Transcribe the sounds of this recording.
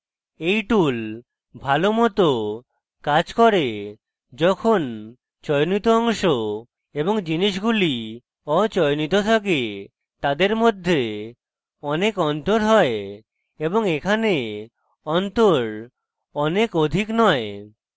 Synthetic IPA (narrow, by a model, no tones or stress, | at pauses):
ejʈul | bʱalomɔt̪o | kad͡ʒkɔɾe | d͡ʒɔkʰon | t͡ʃɔjnit̪oɔŋʃo | ebɔŋd͡ʑiniʃ̬ɡuli | ɔt͡ʃɔjnit̪ot̪ʰak̬e | t̪ad̪eɾmod̪ʱːe | ɔnekɔnt̪oɾɦɔe | eboŋekʰane | ɔnt̪oɾ | ɔnekod̪ʱiknɔe